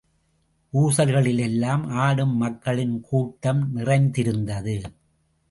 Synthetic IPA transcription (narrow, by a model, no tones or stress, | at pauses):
ʔuːsɐlɣɐɭɪlɛlːaːmaːɽɯmːɐkːɐɭɪnkʰuːʈːɐmnɪrɐɪnd̪ɪɾɯnd̪ɐðɯ